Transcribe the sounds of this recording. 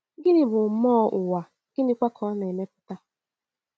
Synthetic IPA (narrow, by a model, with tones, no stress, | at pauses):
ɡɪ˦nɪ˦bʊ˨mɔː˦ʔʊ˨wa˨ | ɡ̥ɪ˦nɪ˦kʷa˦kʰɔ˦na˨e˨me˦pʊ̥˦ta˦